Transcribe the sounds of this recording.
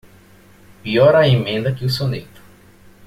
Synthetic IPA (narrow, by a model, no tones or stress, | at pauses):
piɔɾɐemẽnd̪ɐkɪusonḛt̪ʊ̥